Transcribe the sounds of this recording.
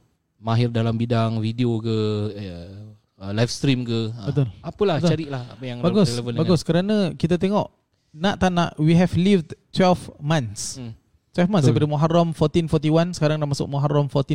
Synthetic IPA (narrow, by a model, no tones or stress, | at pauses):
maɦɪrdalambidaŋvideokə | əlajfst̪ɾimkəbət̪ʊlapəlat̪t͡ʃaɾiʔlaha̰pəjaŋbaɡʊselevəndbaɡʊskəɾanə̃kit̪̬at̪eŋɔʔ | naʔt̪anaʔwiɦɛvlifdt̪wɛlfmãns | t̪wɛlfmãnsdpadəmuɦaramfɔrt̪infɔt̪iwansə̥kaɾaŋdamasʊ̰k̚muɦaɾamfɔrt̪in